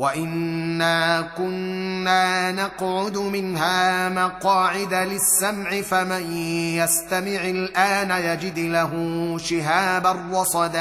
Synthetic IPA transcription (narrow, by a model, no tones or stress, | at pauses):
waʔɪnːaːkʊnːaːnɑqʕʊd̪ʊmɪnɦaːmaqɑːʕɪd̪alɪsːamʕɪfamanjast̪amɪʕɪlʔaːnajad͡ʒɪd̪laɦʊʃɪɦaːbarːɑsˤɑd̪a